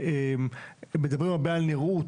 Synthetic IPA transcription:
embed̪avʁimabealneʁu

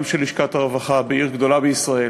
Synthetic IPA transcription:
mʃeliʃkat̪aʁevaχabeiʁɡd̪o̞labeisʁae

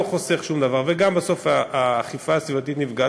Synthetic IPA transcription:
oχo̞se̞χʃumd̪avaʁveɡambaso̞faːχifaːsvivat̪it̪nivɡa

